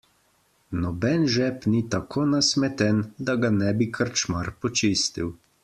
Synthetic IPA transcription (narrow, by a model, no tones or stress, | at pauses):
nɔbɛnʒɛpnit̪akʰoːnasmɛt̪ɛnd̪aɡanɛbikʰəɾt͡ʃmaɾpɔt͡ʃiːst̪iw